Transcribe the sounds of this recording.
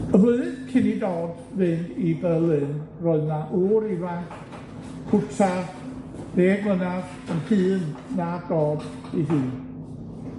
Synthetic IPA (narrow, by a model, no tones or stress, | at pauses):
əvləðɨðkʰɪnidɔːd | vɨndibɛlˠɨnrɔɨðnaʔuɾivaŋkʰ | kʰʊtʰa | n̥eːɡlənar | ənhɨːnːad̥ɔːd | iɦɨːn